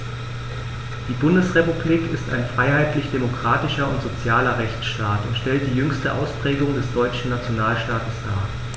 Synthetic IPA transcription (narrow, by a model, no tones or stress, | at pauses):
d̥iːbʊndəsʁepubliːkɪsta̰ɪnfʁ̥aɪhaɪtlɪçd̥emokʁ̥aːtɪʃɐʊntz̥ot͡sjaːlɐʁɛçt͡sʃtaːtʊntʃtɛlt̚d̥iːjʏŋstəʔa̰ʊspʁ̥ɛːɡʊŋdɛsd̥ɔʏt͡ʃn̩nat͡sjonaːlʃtaːtəsd̥aːɐ